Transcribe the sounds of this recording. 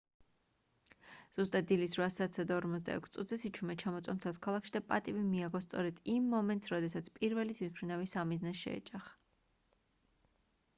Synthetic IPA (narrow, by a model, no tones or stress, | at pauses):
z̥ust̪ʼatd̪̚d̪ːilisɾvasaːt̪sad̪aɔɾmɔt̪s̬ʰd̪a̰ɛ̰kʰst̪sʼṵt̪ʰzɛsit͡ʃʰumɛt͡ʃʰamɔt̪sʼɔmt̪ʰɛalˠskʰalˠakʃid̪apʼa̰t̪ʼibimiaɡɔst̪sʼɔɾɛd̪̥imːɔmɛnt̪sɾɔd̪ɛsat̪sʰpʼiɾvɛlit̪ʰwit̪pʰɾinavisamiznɛsʃɛ̰ɛ̰t͡ʃʼaχ